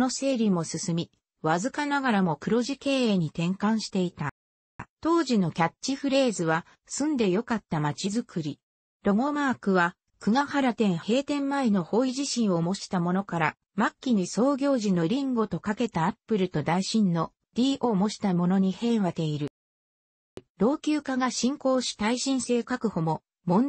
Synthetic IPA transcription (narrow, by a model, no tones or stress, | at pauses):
no̞se̞ːɾʲimo̞sɨsɨmʲi | βazɨkanaɡaɾamo̞kɯ̟ɾo̞ʑike̞ːeːɲ̟it̪ẽ̞ŋkãɰ̃ɕi̥t̪e̞it̪a | t̪o̞ːʑino̞kʲat͡ɕɕiɸɯ̟ɾe̞ːzɨβa | sɨ̃nd̪e̞jo̞kat̪ːamat͡ɕizɨkɯ̟ɾʲi | ɾo̞ŋo̞maːkɯ̟βa | kɯ̟ŋahaɾat̪ẽ̞ɰ̃he̞ːt̪ẽ̞mːaeno̞ho̞ːiʑiɕĩɰ̃o̞mo̞ɕi̥t̪amo̞no̞kaɾa | makʲːiɲ̟iso̞ːɡʲo̞ːʑino̞ɾʲĩŋɡo̞t̪o̞kake̞t̪aːpːɯ̟ɾɯ̟t̪o̞d̪aiɕĩnːo̞ | d̪̥ʲiːʔoːmo̞ɕi̥t̪amo̞no̞ɲ̟ihẽ̞ɰ̃βat̪e̞iɾɯ̟ | ɾo̞ːkʲɨːkaɡaɕĩŋko̞ːɕi̥t̪aiɕĩɰ̃se̞ːkakɯ̟ho̞mo̞ | mõ̞n